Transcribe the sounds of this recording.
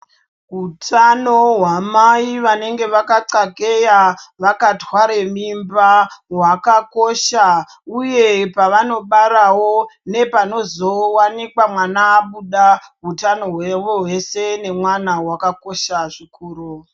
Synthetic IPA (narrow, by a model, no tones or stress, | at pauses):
ɦutʰano̞ɦwamaiʋane̞ŋɡe̞ʋakaǀake̞jaʋakatwaɾemimbaɦwakako̞ʃa | uje̞paʋano̞ɓaɾawo̞ne̞pano̞zo̞wanikwamwanaːɓuɗaɦutano̞ɦweʋoɦwe̞se̞ne̞mwanawakako̞ʃaʐikuːru